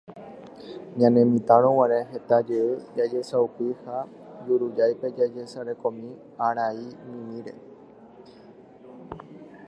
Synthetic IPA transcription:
ɲãnẽmĩt̪ãɾõwãɾeɦe̞t̪ad͡ʒeɨd͡ʒad͡ʒe̞saupiha | d͡ʒuɾud͡ʒajpe̞d͡ʒad͡ʒesaɾe̞kõ̞mĩ | aɾainĩmĩɾe̞̰

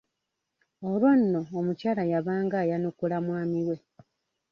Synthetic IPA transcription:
olwanːo̞ːmucaːlajaβaːŋɡaːjanukulamwaːmiɾwe̞

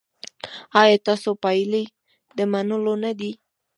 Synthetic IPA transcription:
ɑjɑt̪ɑsopajle | d̪əmanəlonad̪i

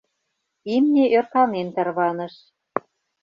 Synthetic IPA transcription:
imnʲeʔørkɑnent̪ɑrβɑnə̆ʃ

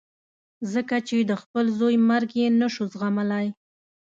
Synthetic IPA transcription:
zəkat͡ʃed̪əxpəlzojmaɾɡjenaʃuzɣamalaj

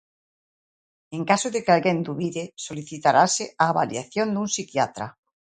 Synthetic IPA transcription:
eŋkasoðekealɣend̪uβiðesoliθit̪aɾaseaːβa̰ljaθjond̪uŋsikjat̪ɾa̰

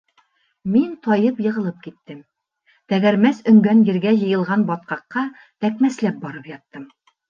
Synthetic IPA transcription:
mint̪ɒjɤpjɤ̆ʁɤ̆lˠɤp̚kit̪ːɘm | t̪æɡæɾmæsɵ̆ŋɡænjɘ̆ɾɡæjɤ̆jɤ̆lˠʁɑnbɒt̪̚qɑqːɑ | t̪ækmæslæp̚bɒɾɤpjɒt̪ːɤm

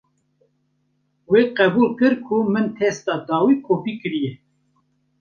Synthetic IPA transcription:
weːqɛbuːlkɨɾkʰumɨnt̪ʰɛst̪ɑːd̪ɑːwiːkʰoːbikɨɾijɛ

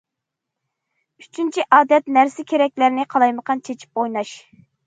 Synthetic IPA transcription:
yt͡ʃʰynt͡ʃʰiʔɑːd̪ɛt̪næɾsɪkʲʰeɾɛk̚ʲlæɾnɪqʰɑlˠɑjməqʰɑnt͡ʃʰet͡ʃʰi̥p̚ojnɑʃ

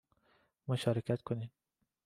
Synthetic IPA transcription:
moʃɒːɾekʰæt̪kʰoniːm

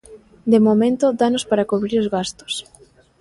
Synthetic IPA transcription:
d̪emomẽnt̪ʊd̪anospaɾakuβɾiɾozɣast̪ʊ̥s

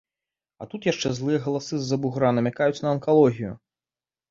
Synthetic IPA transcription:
ɐ̰t̪ut̪jaʂt͡ʂɛzlˠɨjɐɣɐlˠasɨzːɐbuɣɾanɐmʲakajut͡sʲnɐɐnkalˠɔɣʲijṵ

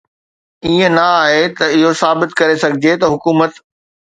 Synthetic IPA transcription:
iːə̃nɐaːɦet̪ɐɪɦosaːbɪt̪kɐɾesɐɡʱɪd͡ʑet̪ɐɦʊkuːmət̪

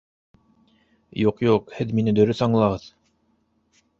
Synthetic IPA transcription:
juqjuqhɘðminɘd̪ɵ̆ɾɵθɑɴlˠɑʁɤð

